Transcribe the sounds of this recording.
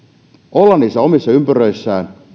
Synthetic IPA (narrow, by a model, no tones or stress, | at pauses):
ʔolːɑnːisːɑo̞misːɑympærøisːæːn